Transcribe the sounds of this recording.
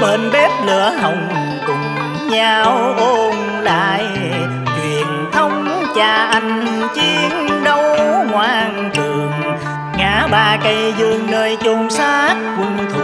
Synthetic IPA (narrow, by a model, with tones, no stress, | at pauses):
ɓe˧˩nɓɛ˦˥p̚lɨ˧˩əɦə˨˩wŋ͡m | kʊ˨˩ŋ͡m | ɲaː˧wʔo˧n | la̰ː˧˨j | t͡ɕwḭ˧˩˨ənt̪ʰə˧wŋ͡mt͡ɕaː˧˩ʔa˧˩ŋt͡ɕi˧ənɗə˧wŋwaː˧˩ŋtɨ˨˩əŋ | ŋaː˧˨˥ɓaː˨˩kə˧˩jzɨ˧əŋnəː˧˩jt͡ɕo˧ŋ͡msaː˧˦t̚vʊ˧˩ŋ͡mt̪ʰ